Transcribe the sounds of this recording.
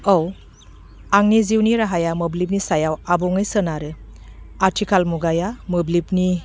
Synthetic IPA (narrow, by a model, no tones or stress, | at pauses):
ow | aŋniziwniɾaɦajamɯblip̬̚nisajawabɔŋɯjsənaɾɯ | atʰikʰalmuɡajamɯblip̚ni